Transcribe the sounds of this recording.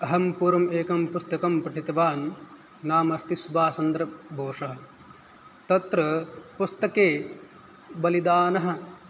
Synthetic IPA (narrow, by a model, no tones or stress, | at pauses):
ɐɦɐmpuːɾɐmeːkɐmpust̪ɐkɐmpɾɐʈʰit̪ɐʋaːnː | aːmɐst̪isbaːsɐnd̪ɾɐbʱoːʂɐɦɐ̆ | t̪ɐt̪ɾɐpust̪ɐkeː | bɐlid̪aːnɐɦɐ̆